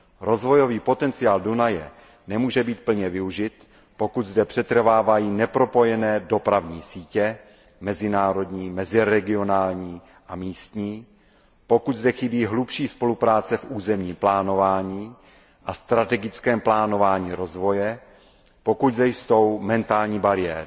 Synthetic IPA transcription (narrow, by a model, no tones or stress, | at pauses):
ɾo̞zvo̞jo̞viːpo̞t̪ɛnt͡sɪaːldunajɛ | nɛmuːʒɛbiːt̪̚pl̩ɲɛvɪuʒɪt̪ | po̞kud̪zdɛpr̝̥ɛt̪r̩vaːvajiːnɛpɾo̞po̞jɛnɛːdo̞pɾavɲiːsiːcɛ | mɛzɪnaːɾo̞dɲiːmɛzɪɾɛɡɪo̞naːlɲiː | ʔamiːst̪ɲiː | po̞kud̪zdɛxɪbiːɦlupʃiːspo̞lupɾaːt͡sɛfʔuːzɛmɲiːmplaːno̞vaːɲiː | ʔast̪ɾat̪ɛɡɪt͡skɛːmplaːno̞vaːɲiːɾo̞zvo̞jɛ | po̞kuɟzdɛjso̞wmɛnt̪aːlɲiːbaɾɪjɛːɾɪ